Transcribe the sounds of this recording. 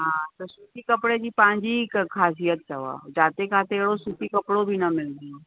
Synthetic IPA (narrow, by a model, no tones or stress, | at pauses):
ɦãːt̪osuːt̪ikəpɽed͡ʒipãːɲd͡ʒikkʰaːs̬ijət̪̚t͡ʃəʋa̰ːd͡ʒaːt̪ekʰaːt̪eɽosuːt̪ikəpɽobʱinɐmɪld̪io